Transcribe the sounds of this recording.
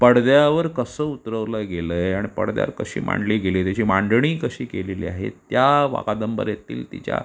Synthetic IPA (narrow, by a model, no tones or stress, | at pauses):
pəɽd̪jaaʋəɾkəsəːut̪ɾəʋləɡeləjaɽ̃ipə̰ɽd̪ja̰əɾkəɕḭːmʔa̰ɳɖliːɡelet̪jat͡ɕiːmaɳɖɳiːkəɕiːkelelḭːaɦḛt̪jaʋa̰ɡad̪əmbə̰ɾjet̪iːlt̪it͡ɕja̰